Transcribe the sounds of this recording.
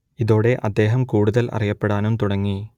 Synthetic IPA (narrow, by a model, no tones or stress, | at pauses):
iðoːɽe̞ʔɐd̪ːe̞ːɦɐmkuːɽuðɐlʔɐ̰rijɐpːeɽaːnumt̪uɽɐŋːi